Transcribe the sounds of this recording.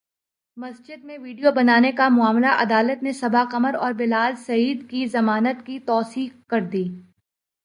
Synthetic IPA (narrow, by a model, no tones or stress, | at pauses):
mɐsd͡ʒɪd̪̚mẽʋiːɖijobɐnaːnekamʊaːmlaʔɐd̪aːlət̪nẽsɐbaqɐməɾɔːɾbɪlaːlsɐiːd̪kizɐmaːnət̪kit̪ɔːsiːxkɐɾd̪iː